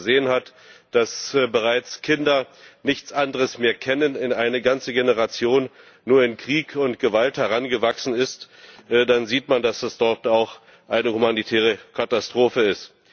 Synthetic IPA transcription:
zeːənhat | d̥asbəʁaɪt͡skʰɪndɐnɪçt͡sʔandəʁəsmeːɐkʰɛnənɪnaɪnəɡant͡səɡenəʁ̞at͡sjoːnː | uːɐɪnkʁ̥iːkʰʊntɡ̥əvalthɛʁanɡəvaksn̩ɪst | ʔdanziːtmandasd̥asd̥ɔɐtaʊx | ʔaɪnəhumanitʰɛːʁ̞əkʰatastʁ̥oːfəɪst

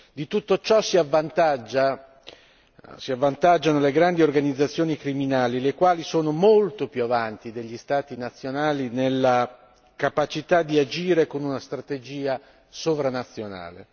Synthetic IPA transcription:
d̪it̪ut̪ːot͡ʃɔsiavːant̪ad͡ʒːa | siavːant̪ad͡ʒːanoleɡɾand̪iorɡanid̪zːat̪sːjoːnikɾiminaːlilekwaːlisoːnomolt̪opjuavant̪id̪eʎːist̪aːt̪inat̪sːjonaːlinelːa | kapat͡ʃit̪ad̪iad͡ʒiːɾekonunast̪ɾat̪ed͡ʒiːa | sovɾanat̪sːjona̰ːlḛ

